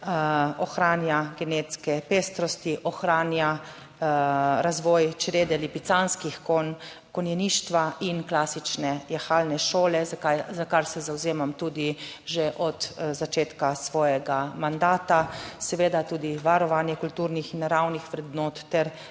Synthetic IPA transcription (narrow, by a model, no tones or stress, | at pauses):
ɔxɾaːnjaɡɛnet̪skɛpeːst̪ɾɔst̪iʔɔxɾaːnja | ɾazʋɔːjt͡ʃɾeːd̪ɛlipit̪sanskixon | kɔnjɛniːʃt̪ʋaʔinklaːsit͡ʃnɛjɛxaːlnɛʃoːlɛzajzakaɾsɛzawzeːmamt̪uːd̪iʒeʔɔt̪zat͡ʃeːt̪kasʋɔːjɛɡamand̪aːt̪asɛʋeːd̪at̪uːd̪iʋaɾɔʋanjɛkult̪uːɾnixinːaɾawnixʋɾɛd̪noːt̪ːɛɾ